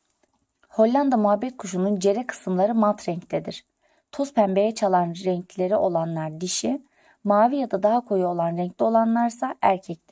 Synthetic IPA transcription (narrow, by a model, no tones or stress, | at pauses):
ho̞lʲːand̪amuɦabːɛt̪̚kʰuʃunund͡ʒe̞ɾɛkʰɯ̥sɯmlˠaɾɯmalˠt̪ʰɾɛɲclʲed̪iɾ̥ | t̪ʰoz̥pʰæmbe̞jɛt͡ʃʰalˠanɾɛɲcʰlʲe̞ɾiʔo̞lˠanlˠaɾd̪iʃi | maːvijad̪ad̪aɦakʰo̞juo̞lˠanɾɛɲclʲio̞lˠanlˠaɾsaʔæɾcʰɛct̪ʰɛ̥